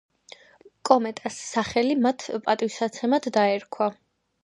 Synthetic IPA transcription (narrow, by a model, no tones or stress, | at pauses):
kʼɔmɛt̪ʼasːaχɛlimat̪ʰpʼat̪ʼivsat̪sʰɛmad̪ʰd̪aɛɾkʰwa